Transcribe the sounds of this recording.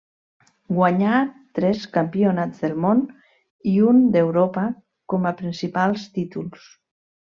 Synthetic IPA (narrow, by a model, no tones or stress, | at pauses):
ɡwaɲat̪ɾɛskampionazd̪elˠmon | iund̪ewɾopa | kɔmapɾinsipalˠst̪it̪uls